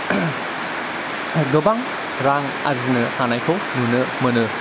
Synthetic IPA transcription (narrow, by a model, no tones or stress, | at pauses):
ɡɯbaŋ | ɾaŋ | azinɐhanajkʰownunɐmɐnɯ